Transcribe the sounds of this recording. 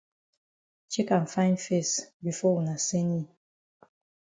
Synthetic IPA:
t͡ʃi˦kã˨nfã˦ɪ̃ndfe˦˨sbi˨fɔ˦wu˨na˨se˦ni˦

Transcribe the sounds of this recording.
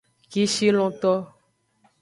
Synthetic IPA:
ki˦ʃi˦lɔ̃˨t̪ɔ˦

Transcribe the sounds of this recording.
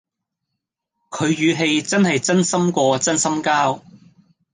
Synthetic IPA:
kʰɵ˨˧ɥjyː˨˧ɦe˧jt͡sɐ˥nɦɐ˨jt͡sɐ˥nsɐ˥mkʷɔː˧t͡sɐ˥nsɐ˥mkaː˥w

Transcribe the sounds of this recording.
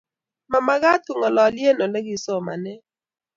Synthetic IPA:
ma˨ma˦ɣa˦tu˨ŋɔ˨lɔ˨lje˦no˨lɛ˦ɡɪ˦˨sɔ˦ma̰˨nɛ˦

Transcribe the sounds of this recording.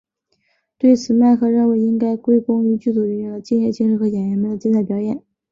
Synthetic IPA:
t̪we˥˩ɪt͡sʰɹ̩˨˩ma˥˧ɪkʰɤ˥ɻə˥˩nwe˧˥ɪi˥ŋka˥ɪkwe˥ɪkʊ˥ŋy˧˥t͡ɕy˥˩t͡su˨˩ɥy˧˥˩ə˧˩t͡ɕi˥˧ŋjɛ˥˩t͡ɕʰi˧˥ʂɻ̩˥˩xɤ˧˥ɕjɛ˨˩nɥɛ˧˥nmə˧nd̪ə˩t͡ɕnt͡sʰa˥˩pjɑ˨˥ʊjɛ˨˩˦n

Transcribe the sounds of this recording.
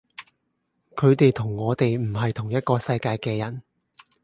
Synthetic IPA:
kʰɵ˨˧ɥt̪e˨jt̪ʰʊ˨˩ŋːɔː˨˧t̪e˨jm̩˨˩ɦɐ˨jt̪ʰʊ˨˩ŋjɐ˥t̚kɔː˧sɐ˧jkaː˧jkɛː˧jɐ˨˩n

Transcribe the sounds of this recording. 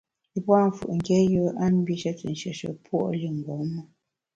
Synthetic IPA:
i˨pwa˦˨ɱ˨fṵ˨ʔŋ̩˨kɛ˦jə˦a˦n˦bi˦ʃə˦t͡sə̰˨n̩˨ʃə˨ʃə̰˨pwɔ̰˦ʔli˦ŋ̩˨ɡɔ˨˦mə˦

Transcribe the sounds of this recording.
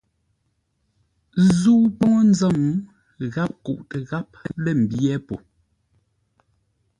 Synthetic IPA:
zu˦pɔ˦ŋɔ˦n̩˦za˦˨m | ɣa˦p̚kṵ˨ʔtə˨ɣa˦p̚lɛ˦˨m̩˨bjɛ˦po̰˨

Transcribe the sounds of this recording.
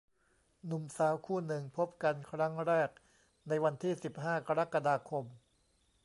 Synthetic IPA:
nu˨˩˦msaː˩˦wkʰuː˥˩nɯ˨˩ŋpʰo˦˥p̚ka˧nkʰɾa˦˥ŋɾɛː˥˩k̚ | na˧jwa˧nt̪ʰiː˥˩si˨˩p̚ɦaː˥˩ka˧ɾa˦˥ka˧daː˧kʰo˧m

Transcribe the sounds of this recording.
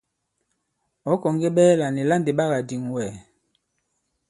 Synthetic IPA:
ɔ˨˦kɔ˨ŋɡe˦ɓɛː˦la˨ne˨la˦˨nde˨ɓa˦ɣa˨di˨ŋwɛ˨

